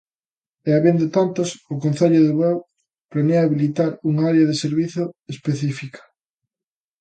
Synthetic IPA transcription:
eaβend̪ʊt̪ant̪ʊsʊkõnθeʎʊðeβɛw | planeaːβilit̪aɾuŋaaɾjɐðeseɾβiθoespeθifikḁ

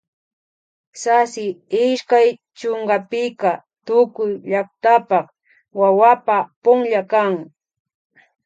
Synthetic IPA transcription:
sasɪɪʃkaj | t͡ʃoɴɢɑpɪkat̪ʊkʊjʎakt̪apɑχ | wawapapʊŋʎakaŋ

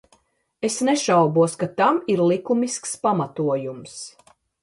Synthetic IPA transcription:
esneʃawbuɔskat̪amiɾlˠikumiskspamat̪uɔjums

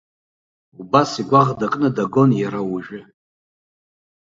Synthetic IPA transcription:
ubasiɡʷaʁdakʼnɨdaɡo̞njaɾawuʒᶣɪ

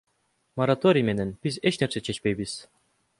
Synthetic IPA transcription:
moɾat̪oɾʲijmenɛnb̥izet͡ʃneɾset͡ʃʰet͡ʃpejbiz̥

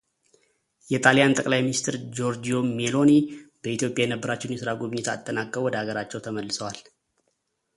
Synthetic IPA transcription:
jɛt̪ʼaljant̪ʼəkʼlajminist̪ʰɨɾd͡ʒo̞ɾd͡ʒio̞melo̞nib̥əit̪jo̞pʼjajɛnəbːəɾat͡ʃːɛwnjɛsɨɾaɡuβɨɲːɛt̪ʰa̰t̪ʼːənakʼːəwɔd̪əhaɡəɾat͡ʃːɛwt̪ʰəməlːɨsəwal

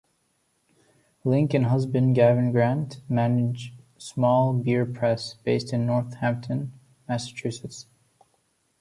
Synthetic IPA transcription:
lɪ̃ŋkɨ̃nɦʌzbɨ̃nɡævɨ̃nɡɹæ̃ntmænɪd͡ʒ | smɔlˠbɪɹpʰɹ̥ɛsb̥eɪstɨ̃nːɔɹθhæ̃mp̚tʰɨ̃n | mæsɨ̥t͡ʃʰʉsɨts

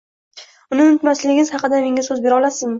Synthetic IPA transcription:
ʊnɪʊnɪt̪maslɪɡʲɪnɪzhɑqɨd̪ame̞ŋʲasɵzbe̞ɾɒlasɪn

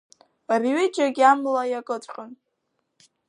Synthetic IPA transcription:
arɥɪd͡ʒaɡʲamlajakʼɨt͡sʷʼqʼən

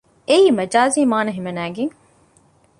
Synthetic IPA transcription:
eiːmɐd͡ʒaːziːmaːnɐɦimɐnæːɡeŋ

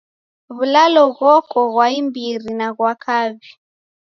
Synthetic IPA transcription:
βulalɔɣɔkɔɣwaimbirinaɣwakʰaβi

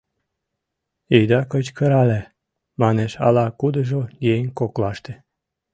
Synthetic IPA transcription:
ijd̪ɑkət͡ɕkə̆ɾɑle | mɑneʃɑ̰lɑkud̪əʒojeŋʲkoklɑʃt̪ĕ̥

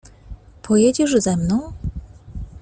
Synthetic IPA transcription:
pʰɔjɛd͡ʑiʐzɛmnɔ̃w̃

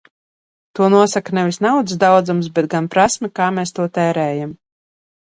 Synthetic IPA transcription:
t̪uɔnuɔsaknɛvisnawd̪sd̪awd̪zums̬bɛt̪̚ɡanpɾasmʲikaːmeːst̪uɔt̪ɛːɾɛːjam

